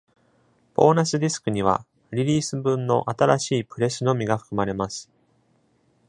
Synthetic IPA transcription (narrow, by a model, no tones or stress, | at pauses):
po̞ːnasɨd̪ʲisɨ̥kɯ̟ɲ̟iβ̞a̰ | ɾʲiɾʲiːsɨbɯ̟̃nːo̞̰ʔat̪aɾaɕiːpɯ̟ɾe̞sɨno̞mʲiɡaɸɯ̥kɯ̟maɾe̞masɨ̥